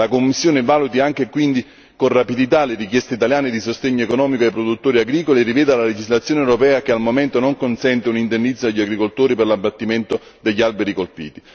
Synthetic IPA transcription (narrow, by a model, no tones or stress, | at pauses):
lakomːisːjoːnevaːlut̪iaŋk̟ekwind̪i | konrapid̪it̪alerikjɛst̪eit̪aljaːned̪isost̪eɲːoekonɔːmikoejpɾod̪ut̪ːoːɾiaɡɾiːkolierivɛːd̪alaled͡ʒizlat̪sːjoːnewɾopɛːakealmoment̪onoŋkonsɛnt̪eunind̪enːid̪zːoaʎːaɡɾikolt̪oːɾiperlabːat̪ːiment̪o | d̪eʎːalbeɾikolpḭːt̪i